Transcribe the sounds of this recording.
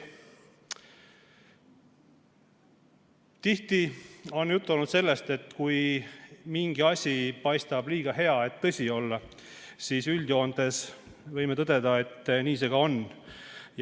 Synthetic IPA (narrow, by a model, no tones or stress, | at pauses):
t̪iht̪io̞nːjut̪ːˑolnut̪se̞lːe̞st̪e̞t̪ːˑkuj | miŋɡ̥iɑsʲipɑjst̪ɑb̥liːɡ̥ɑhe̞ɑe̞t̪ːɤsʲio̞lːɑ | siːsylʲd̪̥jo̞ːnd̪e̞s | vɤjmet̪ɤd̪̥e̞d̪ɑe̞t̪ːniːse̞ɡ̥ɑo̞n | j